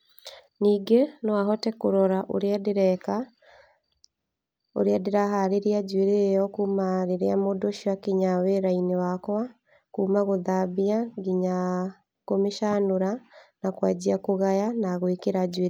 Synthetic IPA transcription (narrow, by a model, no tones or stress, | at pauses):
niːɡenɔaɦɔtɛkoɾɔɾaʔo̰ɾadɾɛka | o̰ɾeadeɾaɦaɾeɾead͡ʑweɾejɔkuːmaɾeɾeamodoʃiwakiɲaweɾainewakwa | kuːmaɣoðaβiaɡiɲa | komeʃanoɾanakwad͡ʑiakoɣajanaɣoekeɾad͡ʑweɾ